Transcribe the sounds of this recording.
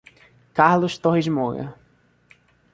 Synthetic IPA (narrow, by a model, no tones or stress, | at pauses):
kahlʊʃt̪ohizmojɐ̰